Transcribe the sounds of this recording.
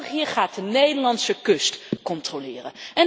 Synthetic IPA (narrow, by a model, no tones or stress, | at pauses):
χɦiːɹχaːt̚dənejdəɹlɑnsəkɵstkɔntrolɪːrə̰nɛn